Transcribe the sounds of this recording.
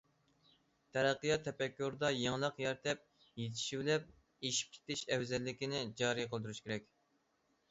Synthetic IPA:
t̪ʰɛɾæqːɨjɑt̪ʰːɛpɛkʲːuɾd̪ɑjeŋlˠəqjɛɾt̪ʰɛp̚ | jet̪ʰɪ̥ʃibɪlɛp̚ | eʃi̥p̚kʲʰe̥t̪ɪʃɛwzɛlːɪkʲinɪd͡ʒɑːɾijqəlˠd̪uɾuʃkʲʰeɾɛkʲ

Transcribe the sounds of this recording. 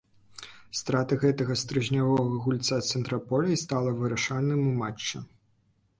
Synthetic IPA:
st̪ɾat̪ɐɣɛt̪ɐɣɐst̪ɾɨʒnʲavɔɣɐɣulʲt̪sat̪sɛnt̪ɾɐpɔlʲɛjst̪alˠɐvɨɾɐʂanɨmumat͡ʂːɐ

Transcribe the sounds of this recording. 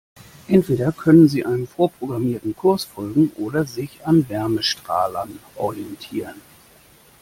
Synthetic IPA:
ʔɛntv̥eːɾɐkʰœnənziːʔaɪnənfoːɐpʁ̥oɡʁamiːɐtn̩kʰʊɐsfɔlɡŋ̩ʔoːɾɐzɪçanvɛɐməʃtʁ̥a̰ːlɐnʔɔ̰ʁiɛntʰiːʁən

